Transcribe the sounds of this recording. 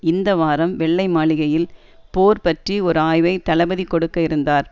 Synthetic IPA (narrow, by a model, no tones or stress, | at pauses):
ɪnd̪ɐʋaːɾɐmʋɛɭːɐɪmaːɭɪɣɐjɪl | poːɾpɐʈriɔɾɯaːjʋɐɪt̪ɐlɐbɐðikːɔɽɯkːɐɪɾɯnd̪aːɾ